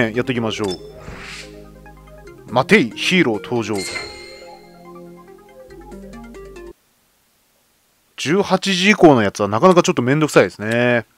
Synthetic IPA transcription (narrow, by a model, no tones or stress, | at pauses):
ẽjat̪ːeik̬ʲimaɕo̞ː | mat̪e̞içiːɾo̞t̪ʰo̞ːʑo̞ː | d͡ʑɨːhat͡ɕiʑiiko̞ːno̞jat͡sɨβanakanakat͡ɕo̞t̪ːomẽ̞nd̪o̞kɯ̟̥said̪e̞sɨne